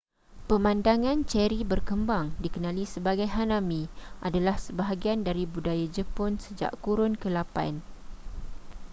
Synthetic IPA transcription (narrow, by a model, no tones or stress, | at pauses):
pəmãndaŋãnt͡ʃɛɾibərkəmbaŋdikənãlisəbaɡajɦanãmĩʔadalahsəbaɦaɡiandaɾibudajad͡ʒəpʊnsəd͡ʒa̰ʔkuɾʊnkəlapa̰n